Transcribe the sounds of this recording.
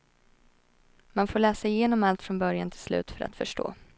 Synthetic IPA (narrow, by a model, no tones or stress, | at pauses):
manfoːɭɛːsaɪjeːnɔmalt̪fɾɔnbœɾjant̪ʰɪlslʉ̟ːt̪fœɾʔa̰t̪fœʂʈo̰ː